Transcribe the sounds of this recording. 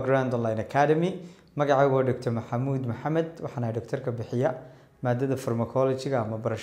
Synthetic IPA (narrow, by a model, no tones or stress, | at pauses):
ɡɾand̪ɔlajnɐkʰaːdɐmɪ | mɐɣɑʕɑːɣwaːɖɔkt̪ʰɔrmɐħɑmuːd̪mɐħɑmɛd̪wɑ̰ħɑːnɐjɖɔkt̪ʰɔrkʰɐbɪħɪjɐ | maːd̪ɐðɐfɔrmɐkʰɔlɔt͡ʃɪɣɐːmɐbɐɾɐʃ